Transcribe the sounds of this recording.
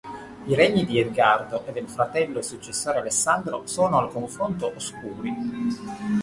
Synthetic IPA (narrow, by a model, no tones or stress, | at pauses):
iɾɛɲːid̪iezɡard̪oʔed̪elfɾat̪ɛlːosut͡ʃːesːoːɾealesːand̪ɾo̰soːnoalkoɱfɾont̪oʔoskuːɾi